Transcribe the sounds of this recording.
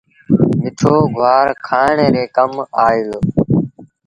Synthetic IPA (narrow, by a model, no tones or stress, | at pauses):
mɪʈʰoːɡʱʊaːɾkʰaːɳeːɾeːkəmaːɪlo